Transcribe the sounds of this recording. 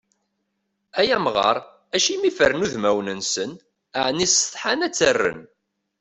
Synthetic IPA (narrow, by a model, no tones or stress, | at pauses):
æjæmʁɑ̰ɾˤ | æʃimifəɾnuðmæwnənsən | əʕnisθˤħanæt͡sːərːə̰n